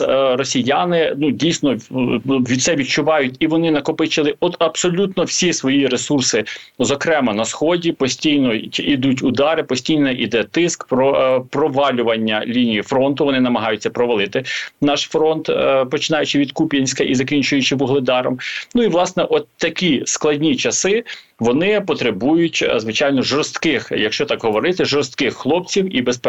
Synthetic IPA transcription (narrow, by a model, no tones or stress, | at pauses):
rɔsʲijanɪnudʲijsnɔ | ʋʲid̪t̪sɛʋʲit̪̚t͡ʃʊʋɑjʊtʲiʋɔnɪnɐkɔpɪt͡ʃɪlˠɪɔt̪ɐbsɔlʲut̪nɔwsʲisʋɔjiɾesursɪzɔkɾɛmɐnɐsxɔdʲipɔsʲtʲijnɔid̪utʲʊd̪ɑɾɪpɔsʲtʲijnɛʔid̪ɛt̪ɪskpɾɔpɾɔʋɑlʲʊʋɐnʲːɐlʲinʲijifɾɔnt̪ʊʋɔnɪnɐmɐɦɑjʊt͡sʲːɐpɾɔʋɐlˠɪt̪ɪnɑʃfɾɔnt̪pɔt͡ʃɪnɑjʊt͡ʃɪʋʲid̪kupʲjɐnʲsʲkɐʔizɐkʲinʲt͡ʃʊjʊt͡ʃɪbʊɦlˠɪd̪ɑɾɔ̰mnuiʋlˠɑsnɛʔɔt̪t̪ːɐkʲisklˠɐdʲnʲit͡ʃɐsɪ | ʋɔnɪpɔt̪ɾebujʊtʲzʋɪt͡ʃɑjnɔʒɔɾst̪kɪxjɐkʃt͡ʃɔt̪ɑkɦɔʋɔɾɪt̪ɪʒɔɾst̪kɪxːlˠɔp̚t͡sʲiwibesp